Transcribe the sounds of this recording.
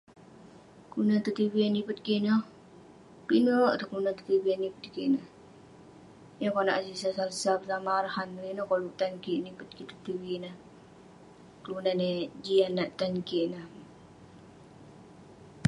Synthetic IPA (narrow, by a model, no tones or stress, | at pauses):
kunant̪ət̪iwianipət̪̚kiʔnɔh | pinoʔt̪əklunat̪ə̥t̪iwianipət̪̚kiʔnəh | jakɔna̰ʔsisasalsapəsamaɾahaninɔhkoluʔt̪ankiʔnipət̪̚kit̪ə̥t̪iwinəh | kəlunaned͡ʒianːaʔt̪ankiʔnəh